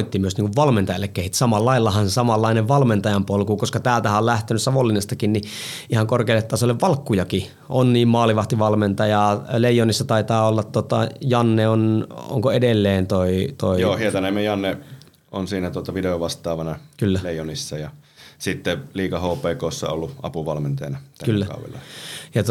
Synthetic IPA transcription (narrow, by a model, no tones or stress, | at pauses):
it̪ːimyøsniːŋkuʋʋɑlment̪ɑjɑ̰lːekkehit̪sɑmɑlːɑilːɑhɑnsɑmɑlːɑineʋʋɑlment̪ɑjɑmpolkukoskɑt̪æːlt̪æhæolæht̪enyssɑʋolːinest̪ɑkinniʔihɑŋkorkeilːet̪ːɑsolːeʋʋɑlkːujɑki | ʔonniːmmɑːliʋɑht̪iʋɑlment̪ɑjɑleijˑonisːɑt̪ɑit̪ɑːolːɑt̪t̪ːot̪ɑ̰jɑnːeono̰ŋkoedelːeːnt̪oit̪oijoːhiet̪ɑnemːejɑnːe | ʔonsiːnæt̪uot̪ɑʋideoʋʋɑst̪ˑɑːʋɑnɑkylːæleijˑonisːɑjɑsit̪ːeliːkɑhoːpˑeːkoːsːɑ̰o̰lːuʔɑ̰puʋɑlment̪ɑjɑnɑt̪ækylːækɑ̰ṵʋḛlːɑ̰jɑt̪